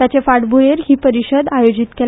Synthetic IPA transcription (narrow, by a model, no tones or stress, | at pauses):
at͡ɕefaɽbʱujeɾɦiːpəɾiɕəd̪ajod͡ʑit̪kel